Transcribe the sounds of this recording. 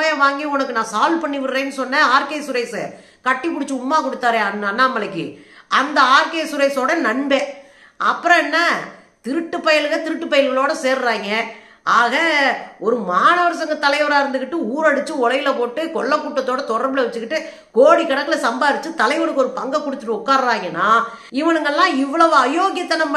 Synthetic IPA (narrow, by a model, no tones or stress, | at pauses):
ɐjɐ̃ʋaːŋɡiɔnɐkːɯnãːsaːlpɐɳːiʋɪʈːeːnːɯsɔnːɐaːɾkeːsʊɾɐɪsɯ | kɐʈːipːʊɽɪt͡ʃːɯʊmːaːkɔɽɯt̪ːaːɾẽːɐnɐnːaːmɐlɐkːɯ̰ɐnd̪ɐaːɾkeːsʊɾɐɪsoːɽɐnɐɳbeː | ɐpːɯɾɔ̃ɛnːa | t̪ɪɾɯʈːɯpːɐjɪɭɣɐt̪ɪɾɯʈːɯpːɐjɪlɣɐɭoːɽɐseːɾɾaːŋɡɐ | aːɣɐɔɾɯmaːnɐʋɐɾsɐŋɡɐt̪ɐlɐɪʋɐɽaːɪɾɯnd̪ɯkːɪʈːɯuːɾɐɽɯt͡ʃːɯɔlɐjɪlɐpoːʈːɯkɔɭːɐkːuːʈːɐt̪ːoːɽɐt̪ɔɽɐɾbɯlɐʋɛt͡ʃːɯkːɪʈːɯ | koːɽikːɐɽɐkːɯlɐsɐmbaːɾɯt͡ʃːɯt̪ɐlɐɪʋɔɽɯkːɔɾɯpɐŋɡɐkːɔɽɯt̪ːɯʈːɯʊkːaːɾɾaːŋɡɐnːaː | ɪʋɐnɯŋɡɐɛlːãːɪʋːɐɭɐʋɯ̃ɐjoːɣɪjɐt̪ːɐnɐmː